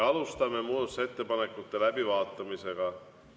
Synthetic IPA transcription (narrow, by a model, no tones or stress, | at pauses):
ɑlust̪ɑmːemuːt̪set̪ːepɑnekːut̪ːelæpiʋɑːt̪ːɑmiseɡ̥ɑ